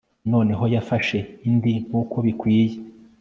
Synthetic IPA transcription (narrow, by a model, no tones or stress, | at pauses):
no̞ːne̞ɦo̞jafaʃe̞indiukʰo̞βikwiːje